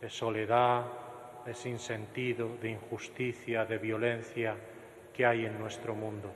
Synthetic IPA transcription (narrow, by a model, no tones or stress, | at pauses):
d̪esoleða | ðesinsent̪iðoðeiŋxust̪iθjaðeβjolẽn̟θja | keajeŋnwest̪ɾomũnd̪o